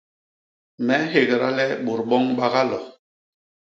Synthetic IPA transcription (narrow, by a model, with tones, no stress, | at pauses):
mɛ˨˦ɦe˨ɡɛ˨ɾa̰˦lɛ˦ɓu˨ɾɓɔ˦ŋɓa˦ɣa˦lɔ˨